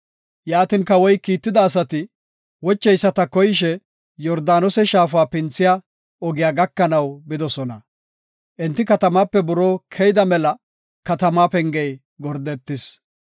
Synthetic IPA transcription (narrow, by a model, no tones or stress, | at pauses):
jaːt̪ɪnkɐwɔjkiːt̪ːɪd̪ɐːs̬ɐt̪ɪ | wɔt͡ʃːɛjsːɐt̪ɐkɔjɪʃ̬ɛ | jɔɾd̪aːnɔsɛʃaːfʊaːpɪnt͡sːɪja | ɔɡɪjaːɡɐkːɐnɐwbɪd̪ɔsɔnɐ̰ | ʔɛnt̪ːɪkɐt̪ɐmaːpːɛbʊɾoːkʰɛjd̪ɐmɛlɐ | kɐt̪ɐmaːpɛŋɡɛj | ɡɔɾd̪ɛt̪ːɪs